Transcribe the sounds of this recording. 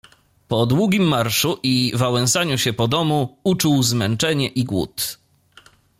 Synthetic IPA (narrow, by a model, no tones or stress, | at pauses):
pɔd̪wuɡʲimːaɾʂuʔivawɛ̃ñsaɲuɕɛpɔd̪ɔmuut͡ʂuwzmɛnt͡ʂɛɲɛʔiɡwṵt̪